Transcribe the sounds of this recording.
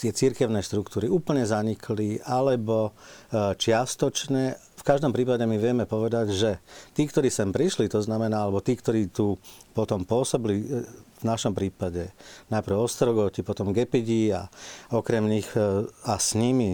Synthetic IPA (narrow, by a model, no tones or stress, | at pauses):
t̪ɪɛt͡siɾkɛʊnɛʃt̪ɾukt̪uːɾiuːpl̩ɲɛzaɲikʰliʔalɛbɔ | t͡ʃɪast̪ɔt͡ʃɲɛ | fkaʒd̪ɔmpɾiːpaɟɛmiʋɪɛmɛpɔʋɛd̪aɟʒɛt̪iːkt̪ɔɾiːsɛmpɾiʃlit̪ɔznamɛnaːalɛbɔt̪iːkt̪ɔɾiːt̪uːpɔt̪ɔmpʊɔsɔbilivnaʃɔmpɾiːpaɟɛnajpɾ̩ʊɔst̪ɾɔɡɔcipɔt̪ɔmɡɛpiɟia̰ɔkɾɛmɲixasɲimi